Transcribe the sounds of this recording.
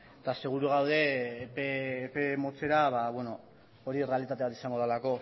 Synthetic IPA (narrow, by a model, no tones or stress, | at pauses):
t̪ase̞ɣ̞uɾuɣ̞awðe̞peːpe̞mo̞t͡se̞ɾaβaβwe̞no̞ | oɾiere̞alit̪at̪e̞at̪isaŋɡo̞ðelako̞